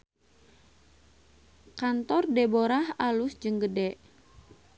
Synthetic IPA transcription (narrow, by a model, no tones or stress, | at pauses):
kant̪ɔrdɛboɾahalusd͡ʒəŋɡədɛʔ